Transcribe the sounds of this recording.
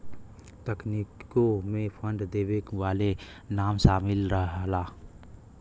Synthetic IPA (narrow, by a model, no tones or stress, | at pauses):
t̪əknikomẽpʰə̃nɖd̪eːwekʋaːle | naːmʃaːmɪlɾəɦlaː